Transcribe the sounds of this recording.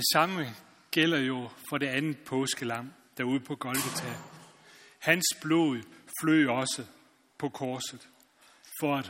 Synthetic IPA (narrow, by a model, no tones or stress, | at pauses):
d̥e̝sɑ̈mə | ɡ̥el̰ɐjo̝fɒ̽ɾe̝ænð̩pʰɔ̽ːsɡ̥əlɑ̈m̰ | d̥æuð̞̰ˠpʰɒ̽ɡ̥ɒ̽lɡ̥ət͡sʰæ | hænsb̥lo̝ðˠflø̰ːɒ̽sə | pʰɒ̽kʰɒːsð̩ˠ | fɒ̽æd̥